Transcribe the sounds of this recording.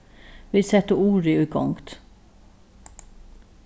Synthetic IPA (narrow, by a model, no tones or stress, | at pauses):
ʋɪsɛt̪əuːɾɪʉɡɔ̰ŋt̪